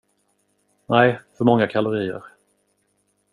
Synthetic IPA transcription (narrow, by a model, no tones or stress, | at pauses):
næɪfœɾmɔŋːakʰalʊɾiːə̰ɾ